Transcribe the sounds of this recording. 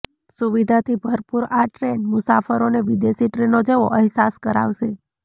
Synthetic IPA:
suʋid̪ʱat̪ʰibʱəɾpuɾaʈɾenmʊsafəɾoneʋid̪esiʈɾenod͡ʒeʋo̰ʔəɦsaskəɾa̰ʋʃe

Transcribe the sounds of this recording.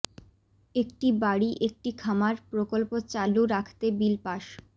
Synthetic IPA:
ekʈibaɽiʔek̚ʈikʰamaɾpɾokolpot͡ɕaluɾakʰt̪ebilpaʃ

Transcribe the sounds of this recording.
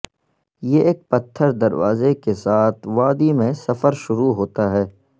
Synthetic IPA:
jeʔːk̚pɐt̪ʰːəɾd̪ɐɾʋa̰ːzekesaːt̪ʰʋaːd̪imẽsɐfəɾʃʊɾuɦoːt̪aɦɛː

